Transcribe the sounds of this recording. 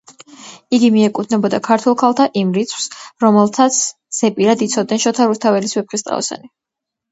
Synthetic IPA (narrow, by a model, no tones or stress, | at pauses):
iɡimiɛkʼud̪ʰnɛbɔd̪akʰaɾt̪ʰɛlˠkʰalˠt̪ʰaʔimɾit̪sʰw̥sɾɔmɛlˠt̪ʰat̪sʰ | z̥ɛpʼiɾad̪it̪sʰɔd̪̚nɛnʃɔt̪ʰaɾust̪ʰavɛlisvɛp̚χist̪ʼɾa̰ɔ̰sa̰ni